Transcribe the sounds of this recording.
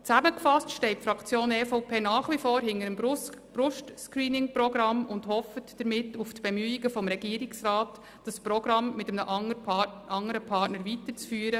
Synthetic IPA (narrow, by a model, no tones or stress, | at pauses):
t͡sæməkfɑstʃtɛɪt̚fɾɑkt͡sjoːnɛːfɔʊpʰeːnɑːχʋifoːɾɦɪnəɾəmb̥ɾʊʃtskɾiːnɪŋprɔɡɾɑmʊndhɔfətd̥əɾmɪtːuftb̥ɛmyːɪɡəfɔmɾɛɡ̥iːɾɪksɾaːt | d̥ɑspɾɔɡɾɑmmɪtəmnəʔ | ʔɑŋəɾəpʰɑɾtnəɾvitəɾt͡sfyːɾə